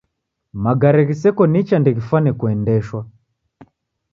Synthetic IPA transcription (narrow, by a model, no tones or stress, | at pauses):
maɡaɾɛɣisɛkɔnit͡ʃandɛɣifanɛkuɛndɛʃwa